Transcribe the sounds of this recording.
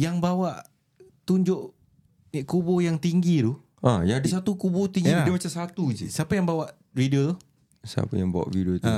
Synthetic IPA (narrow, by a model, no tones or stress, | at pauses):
jaŋbawaʔ | t̪uɲd͡ʒoʔ | iʔkubojaŋt̪iŋɡit̪u | ʔajaadəsat̪ukubot̪iŋɡidimat͡ʃamsat̪ud͡ʒḭsəapajaŋbawaʔ | ɾido | sa̰pajaŋba̰wa̰ʔvidiot̪u